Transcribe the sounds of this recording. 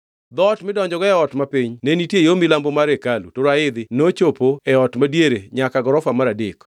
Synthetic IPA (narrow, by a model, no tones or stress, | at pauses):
d̪ɔtmɪdɔɲd͡ʒɔɡɔɛɔtmapiɲnenitjejomilambomaɾekalṵtoɾaɪd̪ɪnot͡ʃopoɛɔtmadjeɾeɲakaɡɔɾɔfamaɾadik